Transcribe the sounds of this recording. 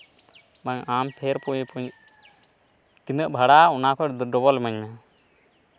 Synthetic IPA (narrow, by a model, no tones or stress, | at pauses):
maɲampʰɛɾpuɲpuɲ | t̪inəʔbʱaɽaɔnakʰɔɖɔβɔlməɲma